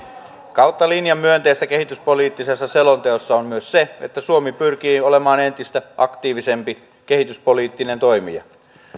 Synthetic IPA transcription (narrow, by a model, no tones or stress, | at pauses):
kɑwt̪ːɑlinjɑmːyønt̪e̞st̪æke̞hit̪yspo̞liːt̪ːisesːɑse̞lont̪eosːɑomːmyøsseḛt̪ːæsuomipyrk̟iːo̞le̞mɑːne̞nt̪ist̪æʔɑkt̪iːʋise̞mpi | ke̞hit̪yspo̞liːt̪ːine̞nt̪o̞jmḭjɑ̰